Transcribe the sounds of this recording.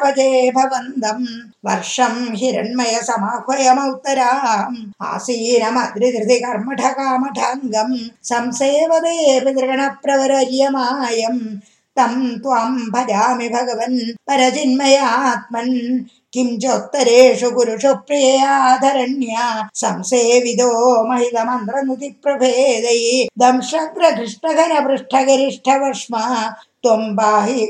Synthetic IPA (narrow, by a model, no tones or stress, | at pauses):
pɐd͡ʒeːbʱɐʋɐnd̪ɐm | ʋɐ̰ɾʂɐmɦiɾɐ̰ɳmɐjɐsɐmaːkʰʋɐjɐmɐwt̪ɐɾaːma̰ːsiːnɐmɐd̪ɾid̪ɾɪt̪ikɐɾmɐʈʰɐkaːmɐʈʰaːŋɡɐmsɐmseːʋɐd̪eːpid̪ɾɐɡɐɳɐpɾɐʋɐɾɐɾjɐmaːjɐm | t̪ɐmt̪ʋaːmbʱɐd͡ʒaːmibʱɐɡɐʋɐnpɐɾɐt͡ʃinmɐjaːt̪̚mɐn | kimt͡ʃokt̪ːɐɾeːʃukuɾuʂopɾijɐjaːd̪ʱɐɾɐnjaːsɐmseːʋid̪oːmɐɦit̪ɐmɐnd̪ɾɐnuk̪ipɾɐbʱeːd̪ɐjd̪ɐmʂɐɡɾɐkɾiʂɳɐɡʱɐnɐpɾuʂʈʰɐɡɐɾiʂʈʰɐʋɐʂmɐt̪ompaːɦi